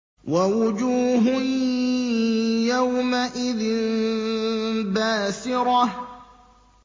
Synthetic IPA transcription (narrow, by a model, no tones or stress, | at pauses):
wawʊd͡ʒuːɦʊ | jawmaʔɪðɪm | baːsɪɾɑ